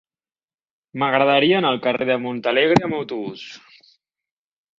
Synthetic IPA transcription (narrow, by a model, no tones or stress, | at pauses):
məɣɾəðəɾiəːnəlˠkəreðəmunt̪əleɣ̞ɾeəməwt̪uβus